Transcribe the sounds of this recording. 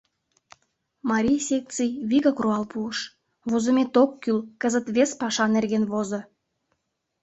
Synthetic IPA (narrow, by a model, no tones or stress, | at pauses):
mɑɾʲijsʲek̚t͡sɨjβiɣɑkruɑlpuəʃ | βozə̆mʲet̪okːylkəzət̪βespɑʃɑnerɣenβozo